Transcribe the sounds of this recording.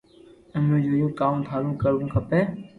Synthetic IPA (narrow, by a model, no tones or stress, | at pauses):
ənũːd͡ʒoːjũːkaːmt̪ʰaːɾũːkəɾʋũːkʰəpeː